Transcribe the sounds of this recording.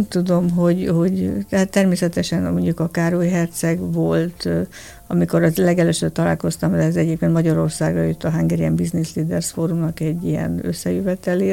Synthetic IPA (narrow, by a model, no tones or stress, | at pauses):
t̪ud̪o̞mɦo̞ɟho̞ɟt̪ɛɦaːt̪ːɛrmeːsɛt̪ɛʃɛnmo̞ɲɟukɒkaːɾojɦɛrt̪sɛɡʋo̞lt̪ | ɒmiko̞ɾɒzlɛɡɛløːʃøb̚t̪ɒla̰ːlko̞st̪ɒmɛzɛɟeːp̚keːnt̪mɒɟɒɾo̞rsaːɡrɒ̰jøt̪ːɒɦaŋɡɛɾiɛmbiznisliːd̪ɛrsfoːɾumnɒkɛɟːijɛ̰nø̰sːɛjøvɛt̪ɛleː